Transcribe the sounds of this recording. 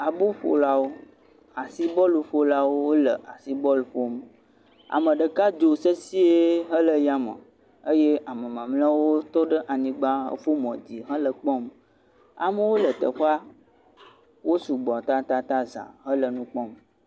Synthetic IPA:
a˨bu˦ɸo̰˨la˦wo˦ | a˨si˦bɔ˦lu˨ɸo˦la˦wo˦wo˦lə˨ʔa˨si˦bɔ˦lɸo˦m˨ | a̰˨mə̃˨ɖə˨ka˦d͡ʒo˨sə˦si˦e˦ɦə˦lə˨ja˦mə̰˨ | ə˦je˦ʔa˨mə˨mã˨mlə̃˦wo˦t̪ɔ˦ɖə˦ʔa˨ɲĩ˨ɡ͡ba˦ɦə̰˦ɸo˦mɔ̰̃˨d͡ʑi˨ɦə̃˦lə˨k͡pɔ̃˦m | a̰˨mə˦wo˦lə˨t̪ə̰˨ɸa˦ | wo˦su˨ɡ͡bɔ˨t̪a˦t̪a˦t̪a˦zã̰˨ɦə˦lə˨nũ˦k͡pɔ̃˦m˨

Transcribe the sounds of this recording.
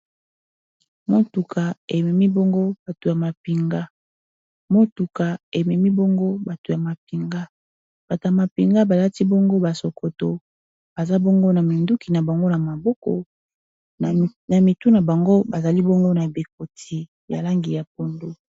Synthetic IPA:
mo˦tu˨kʰa˨e˨mɛ˨mi˦bo˦ŋɡo˦ba˨to˨ja˨ma˨pi˨ŋɡa˦ | mo˦tu˨ka˨e˨mɛ˨mi˦bo˦ŋɡo˦ba˨to˨ja˨ma˨pi˨ŋɡa˦ | b̥a˨ta˨ma˨pi˨ŋɡa˦ba˨la˦ti˦bo˦ŋɡo˦ba˨so˨kʰo˨to˨ | ba˨za˦bo˦ŋɡo˦na˨mi˨ndu˦ki˨na˨ba˨ŋɡo˦na˨ma˨bɔ˦kɔ̰˨ | na˨mi˨tu˦na˨ba˨ŋɡo˦ba˨za˨li˦bo˦ŋɡo˦na˨be˨ko˨tʰi˨ | ja̰˨la˦ŋɡi˨ja˨p̚o˨ndo˦

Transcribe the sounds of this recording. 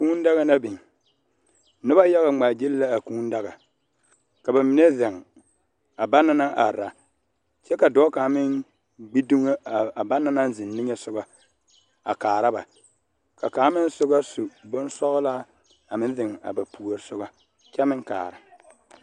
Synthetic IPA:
kuː˦n˦da˦ɣa˦na˦bi˨ŋ˨ | nʊ˦ba˦ja˦ɣa˦˨ŋ͡maː˨d͡ʒi˦lla˦a˨kuː˦n˦da˦ɣa˨ | ka˨ba˨mɪ˨ne˦za˨ŋ˨ | a˨ba˦nːa˦na˦ŋʔa˨ɾa˨ | t͡ʃɛ˦ka˨dɔ˦ka˨˦mɪ˦ŋ | ɡ͡bi˦du˦ŋa˦˨a˨ba˦nːa˦na˦nzɪ˨nːɪ˦ɲɛ˦sʊ˦ɡa˨ | a̰˨kaː˨ɾa˦ba̰˨ | ka˨kaː˨˦mɪ˦n˦sʊ˦ɣa˦sʊ˨bʊ˦nsɔ˦ɣʊ˦laː˦ | a˨mɪ˦n˦zɪ˨ŋ˨a̰˨ba˨pu˨o˨ɾsʊ˦ɡa˦ | t͡ʃɛ˦mɪ˦ŋka̰ː˨ɾɪ˨

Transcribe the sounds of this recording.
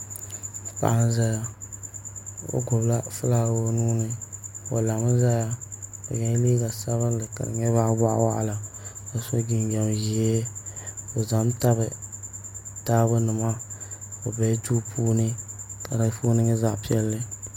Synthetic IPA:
pa̰˦˨ʔa˦n˦za˦ja˦ | o̰˦ɡʊ˨bla˦fɨ˦la˦˨bo˦nuː˦nɨ˦o̰˨la˨mɨ˦za˦ja˦o̰˨ɲɛ˨˦liː˦ɡa˨sa˦βɨ˦llɨ˨ka̰˨ɾɨ̰˨ɲɛ˦βa˦ʔba˦ʔa̰˦wa̰˦ʔa̰˨la˨ka˨so˦ɡi˨n˦ɡa˨mji˨e˦ | o˨za˨m˦ta˦βɨ˨ | taː˦bɨ˦nɨ˨ma˦o˨bɛ˨˦tu˦pʰuː˦nɨ˦ka˨ɾa˨˦fo˦nɨ˦ŋɛ˦za˦ʔpi˦ɛ˦lːɨ˦

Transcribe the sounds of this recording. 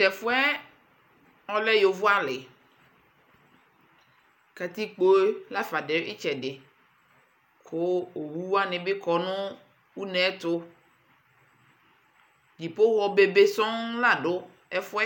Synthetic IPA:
tɛ˨fʊ˦ɛ˦ | ɔ˦lɛ˦jo˨vʊ˦a˦lɪ˨ | ka˨t̪i˦k͡po˦e˦la˦fa˨ɖe˨˦ʔɪ˦t͡ʃɛ˨ɖɪ˨ | kʰʊ˦o˨wu˦wa˦nɪ̃˨bɪ˦kɔ˨nʊ̃˦ | wu˦nɛ̃˦t̪ʊ˦ | d͡ʑi˨po˦wɔ˨be˨be˦sɔ̃˦ŋla˨ɖʊ˨˦ | ɛ˦fʊ˦ɛ˦

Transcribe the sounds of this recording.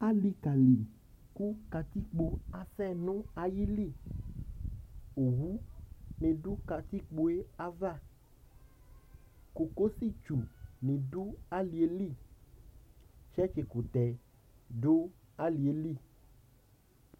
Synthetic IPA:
a˦li˧ka˨li˨ | ku˦ka˧t̪i˦k͡po˧a˨sɛ˦˨nũ˦a˨ji˦li˦˨ | o˨wu˦nĩ˧du˦ka˧t̪i˦k͡po˧e˦a˦va˦˨ | ku˨ko˦si˦˨t͡ʃu˨nĩ˨du˦a˦li˨e˨li˦˨ | t͡ʃɛ˦t͡ʃe˨ku˨t̪ɛ˨ | do˦ | a˦li˨e˨li˦˨

